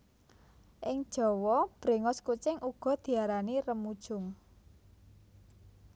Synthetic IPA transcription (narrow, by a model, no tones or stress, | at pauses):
ʔɪŋd̥ʒ̥ɔ̤wɔb̥ɾe̤ŋɔskut͡ʃɪŋʔuɡ̥ɔ̤d̪̥i̤aɾanirəmud̥ʒ̥ʊ̤ŋ